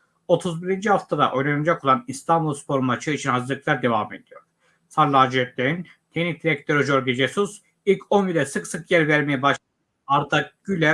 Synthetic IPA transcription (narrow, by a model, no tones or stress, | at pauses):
o̞t̪ʰuzbiɾind͡ʒihaft̪ʰad̪a̰ʔo̞jnanad͡ʒako̞lˠanist̪ʰambulˠspʰo̞ɾmat͡ʃʰɯit͡ʃʰinhazɯɾlɯk̚lˠaɾd̪e̞vamed̪ijo̞ɾ̥ | sʰaɾlˠaːd͡ʒɛt̪̚lʲeɾin | t̪ʰecʲnic̚d̪iɾɛk̚t̪ʰeɾoʒoɾɡed͡ʒesus | ilʲcʰonbiɾɛsɯksɯkjæɾvæɾmejɛbaʃ | aɾd̪ʰaɟylʲɛ